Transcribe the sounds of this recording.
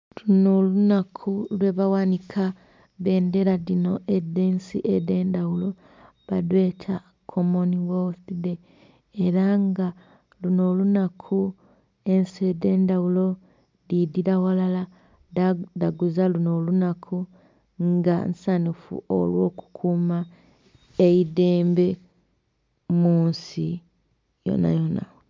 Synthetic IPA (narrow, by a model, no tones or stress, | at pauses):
lunolunakʰulwe̞βawanikʰa | βe̞ːnde̞ɾaðino̞edeːnsḭʔede̞ːndawulo̞ | βadwe̞tʰa | kʰomoniwoθide̞ː | ɾaŋɡa | luno̞lunakʰu | e̞nsede̞ːndawulo̞ | ðidiɾawalala | daɡuzaluno̞lunakʰu | ŋɡa̰nsanifṵo̰lwo̞ːku̥kʰuma | eide̞ːmbe̞ | muːnsi | jo̰na̰jona̰